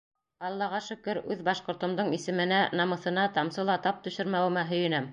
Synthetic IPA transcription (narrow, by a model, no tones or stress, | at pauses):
ɑlˠːɑʁɑʃɵ̆kɵɾʉðbɑʃqŏɾt̪ŏmd̪ɤɴisɘ̆mɘ̆nænɑmɤ̆θɤ̆nɑt̪ɑmsɤlˠɑt̪ɑp̚t̪ɵ̆ʃɘ̆ɾmæwɘ̆mæɦɵ̆jɘ̆næm